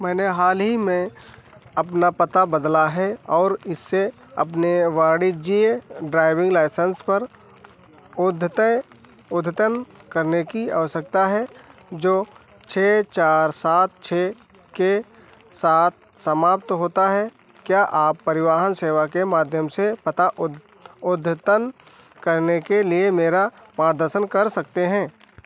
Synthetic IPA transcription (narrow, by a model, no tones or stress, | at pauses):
mɛ̃ːneɦaːlɦimẽ | ɐpnapət̪abəd̪laɦɛɔːɾɪsːe | ɐ̰pneʋaːɾɽid͡ʒieɖɾaːɪʋɪ̃ŋɡlaːɪsənspəɾ | ʊd̪ʱt̪ | ʊd̪ʱət̪ənkəɾnekia̰ːʋəsək̚t̪aɦɛd͡ʒoː | t͡ʃʰeːt͡ʃaːɾsaːt̪̚t͡ʃʰeː | ke | saːt̪̚ʰ | səmaːp̚t̪ɦoːt̪aɦɛ | kjaːʔaːpːɐɾɪʋaːɦənseːʋakemaːd̪ʱjəmsepɐt̪aʔ | ʊd̪ʱːt̪ən | kɐɾnekeliemeːɾa | maːɾd̪əɾʃənkɐɾsɐk̚t̪eɦɛ̃ː